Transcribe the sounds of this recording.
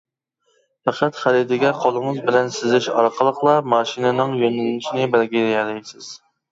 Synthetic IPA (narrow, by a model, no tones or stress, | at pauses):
fæqʰæt̪χælid̪ɪɡʲɛqʰolˠɨŋɨzbɪlɛnsɪzɪʃɑ̰ɾqʰəlˠəqlˠɑmɑːʃinɪnɨŋjønɪlnɪʃinɪbælɡʲiɛjɛlɛjsɪz̥